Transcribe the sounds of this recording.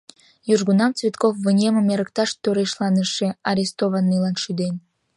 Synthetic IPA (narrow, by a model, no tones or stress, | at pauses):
jyʒɡunɑmt͡svʲet̪kofvənʲemə̆meɾə̆k̚t̪ɑʃt̪øɾeʃlˠɑnəʃeɑɾʲest̪ovɑnːilɑnʃyd̪enʲ